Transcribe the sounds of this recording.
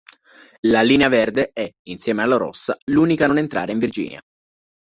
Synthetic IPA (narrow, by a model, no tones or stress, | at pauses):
laliːneavɛrd̪eɛinsjɛːmealːoɾɔ̰sːaluːnikanonent̪ɾa̰ːɾeiɱvird͡ʒḭːnja̰